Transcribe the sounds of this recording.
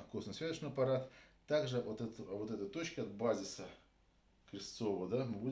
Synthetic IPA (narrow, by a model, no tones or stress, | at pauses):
fkusnɨsvʲazət͡ɕnɨɪɐpɐɾat̪t̪ːaɡʐɨvot̪ɛt̪vot̪ɛt̪ət̪ot͡ɕkəɐd̪̚bazʲɪsə | kɾʲɪst̪sovəd̪amɨbu